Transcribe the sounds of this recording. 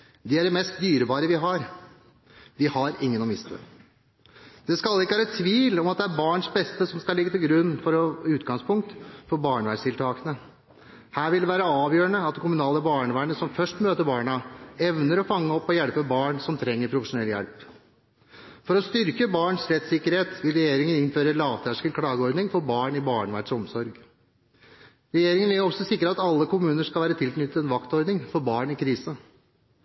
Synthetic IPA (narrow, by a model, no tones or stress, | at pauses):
d̪ɪæɖɛmɛst̪̚d̪yːɾəbɑːɾəʋɪɦɑɾ | ʋɪhɑɾɪŋːənɔmɪst̪ə̰ | d̪̥ɛskɑlːɪkːəʋæːɾət̪ʰʋiːlɔmɑt̪d̪ɛæɾbɑːɳʂbɛst̪əsɔmskɑlɪɡət̪ɪlɡɾʉnːfɔɾʉːt̪ɡɑŋspʰʊŋk̚t̪fɔɾbɑːɳəʋæːst̪ɪlt̪ʰɑːkənə | hæːɾʋɪld̪ɛʋæːɾəɑːʋjøːɾəɳəɑt̪̚d̪ɛkʰʊmʉnɑːləbɑːɳəʋæːɳəsɔmfœʂʈmøːt̪əɾbɑːɳɑɛʋnəɾɔfɑŋːəɔpːɔjɛɽpəbɑːɳsɔmt̪ʰɾɛŋːəɾpʰɾʊfəʂʊnɛljɛ̰lp | fɔɾɔst̪ʏɾkəbɑːɳsɾɛt̪sɪkːəɾheːt̪ʋɪlɾɛjeːɾɪŋənɪnføːɾəlɑːʋt̪ʰæʂkəkʰɽɑːɡəɔɾd̪nɪŋfɔɾbɑːɳɪbɑːɳəʋæ̰ʈʂɔmsɔɾɡ | ɾɛjeːɾɪŋənæɾjɔsɔsɪkːəɾɑt̪ɑlːəkʊmʉːnəʂkɑlʋæːɾət̪ʰɪlknʏt̪ət̪ɛnʋɑkt̪ɔɾd̪nɪŋfɔɾbɑːɳɪkʰɾiːsə